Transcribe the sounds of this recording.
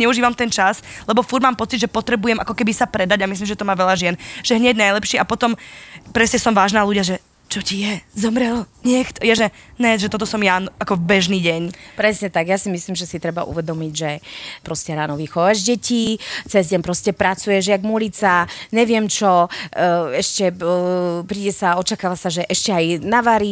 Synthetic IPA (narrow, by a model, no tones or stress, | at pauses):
ɲɛuʒiːʋamt̪ɛnt͡ʃaslɛbɔfuɾmaːmpɔt͡sid̪ʒɛpɔt̪ɾɛbujɛmʔakɔkɛbisapɾɛd̪aɟamis̬limʒɛt̪ɔmaːʋɛʎaʒɪɛnʒ̥ɛɦɲɛɟnajlɛpʃɪiapɔt̪ɔmpɾɛscɛsɔmʋaːʒnaːluɟaʒɛ | t͡ʃɔcijɛzɔmɾɛlɲɛxt̪jaʒɛɲɛʒɛt̪ɔt̪̬ɔsɔmjaakɔbɛʒniːɟɛɲpɾɛsɲɛt̪aɡjasimisliːmʒɛsit̪ɾɛba̰ʔṵʋɛd̪ɔmiɟʒɛpɾɔscɛɾaːnɔʋixɔʋaʒɟɛcit͡sɛzɟɛɲpɾɔscɛpɾat͡sujɛʒjaɡmulit͡saɲɛʋɪɛmt͡ʃɔ | ɛʃcɛ | pɾiːɟɛsaɔt͡ʃakaːʋasaʒɛʔɛʃcɛajnaʋaɾi